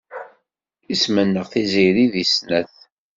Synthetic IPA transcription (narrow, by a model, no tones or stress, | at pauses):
ismənːəʁθiziɾiðisnæθ